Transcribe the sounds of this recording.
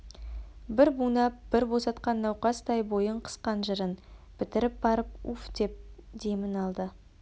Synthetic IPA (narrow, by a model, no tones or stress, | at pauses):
bɪɾbunɑb̥ɪɾbo̞sɑt̪̚qɑnːɑwqɑst̪ʰɑjbo̞jəɴqʰə̥sqɑnʒəɾənpʰɪt̪ɪɾɪp̚bɑɾəp̚ufd̪̥e̞p̚d̪e̞mɪnɑlˠd̪ə